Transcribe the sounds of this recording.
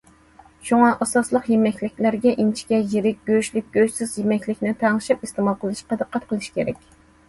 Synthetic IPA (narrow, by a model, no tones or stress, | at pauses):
ʃuŋɑʔɑsɑslˠəqjemɛkʲlɪkʲlæɾɡʲɛʔint͡ʃʰi̥kʲɛjeɾɪk̚ʲɡ̥ʲøʃlɪk̚ʲɡ̥ʲøsɪzjemɛkʲlɪkʲnɪt̪ʰɑŋɨʃipist̪emɑlˠqʰəlˠɨʃqɑd̪ɨqːɑt̪̚qʰəlˠɨʃi̥kʲʰeɾɛkʲ